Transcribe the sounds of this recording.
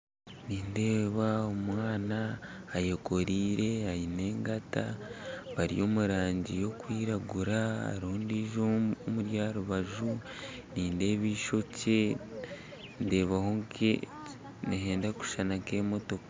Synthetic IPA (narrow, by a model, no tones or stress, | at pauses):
niːnde̞ːβaomwaːnaːjoko̞ɾiːɾe̞ajine̞ːŋɡata̰βaɾḭjo̞ːmuɾaːɲɟijo̞kwiːɾaɡuɾaa̰ɾihondiːʒoomuɾjaːɾuβaʒu | niːnde̞ːβiːʃo̞ce̞ | nde̞ːβahoŋke | neɦe̞ːndaku̥ʃanaŋke̞mo̞to̞ka